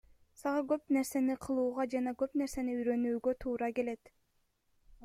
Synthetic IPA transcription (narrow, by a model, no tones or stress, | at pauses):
sɑʁɑkø̞pne̞ɾse̞niqʰɯlˠuːʁɑd͡ʒɑnɑkø̞pne̞ɾse̞niyjɾø̞nyːɡø̞t̪ʰuːɾɑke̞le̞t̪